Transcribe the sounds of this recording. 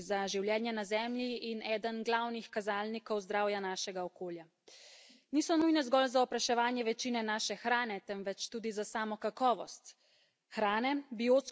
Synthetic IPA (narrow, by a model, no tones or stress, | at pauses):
zaʒiwljɛːnjɛnazɛːmjiinɛːd̪ənɡlawnixkazaːlnikɔwzd̪ɾaːwjanaːʃɛɡaɔkoːlja | niːsɔnujnɛzɡɔlzaɔpɾaʃɛʋaːnjɛʋɛt͡ʃiːnɛnaːʃɛxɾaːnɛt̪ɛmʋɛt͡ʃt̪uːd̪izasaːmɔkakɔːʋɔst̪ | xɾaːnɛbioːt̪s